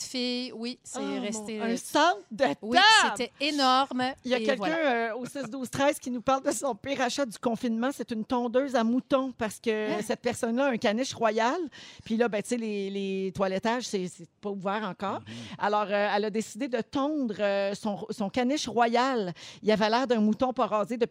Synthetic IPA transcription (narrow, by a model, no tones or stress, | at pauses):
fɪjwisɛʁɛst̪ẽsɑ̃t̪d̪əwiaet̪ɛenɔʁmjakʲɛlkʲœ̃øosɪsd̪uːz̥t̪χɛɪz̥kʲinupaʁld̪əsɔ̃pɪʁaʃad̪ykɔ̃finmɑ̃set̪ynt̪ɔ̃d̪øːzamut̪ɔ̃paʁsə̥kʲəsɛt̪̚pɛʁsɔnlʌɛ̃kanɪʃʁwajalpɥilʌbɛ̃t͡selelet̪walɛt̪aʒsɛsɛpɔuvɛːʁɑ̃kɑːʁa̰lɔːʁøɛlɐd̪esid̪ed̪ət̪ɑ̃ːd̪ʁøsɔ̃sɔ̃kanɪʃʁwajalilavɛlɛːʁd̪ɛ̃mut̪ɔ̃pɔʁɑːzed̪ə